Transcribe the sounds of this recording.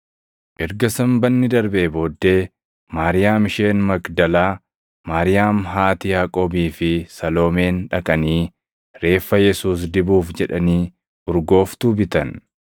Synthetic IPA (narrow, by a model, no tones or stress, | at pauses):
ʔɛɾɡɐsɐmbɐnːɪd̪ɐɾbeːbo̞ːd̪ːe̞ː | maːɾɪjaːmɪʃe̞ːnmɐkd̪ɐlaː | maːɾɪjaːmɦaːt̪ɪjaːkʼo̞ːbiːfɪsɐlo̞ːme̞ːnᶑɐkʼɐniː | ɾe̞ːfːɐjɛsuːs̬d̪ɪbuːfd͡ʒɛᶑɐniː | bʊɾɡo̞ːft̪uːbɪt̪ɐn